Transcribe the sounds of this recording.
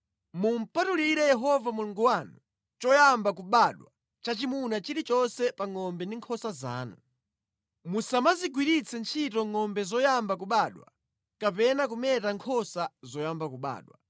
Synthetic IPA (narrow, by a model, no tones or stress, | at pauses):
mum̩patuliɾɛjɛɦɔvamuluŋɡuwaːnu | t͡ʃɔjambak̬uɓaɗwa | t͡ʃat͡ʃimunat͡ʃiɾit͡ʃɔnsɛpaŋɔmbɛndiŋkʰɔsaza̰ːnu | musamaziɡwiɾit͡sʰɛnt͡ʃʰitɔŋɔmbɛzɔjambak̬uɓaːɗwa̰ | kapɛnak̬umɛtaŋkʰɔsazɔjambakuɓa̰ːɗwa